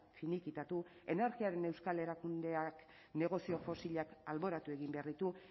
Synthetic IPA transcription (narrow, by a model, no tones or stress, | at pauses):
finikit̪at̪ue̞ne̞ɾɣiaɾe̞ne̞wskale̞ɾakund̪e̞ak | ne̞ɣ̞o̞sio̞fo̞siʎakalβo̞ɾat̪ue̞ɣimbe̞aɾðit̪u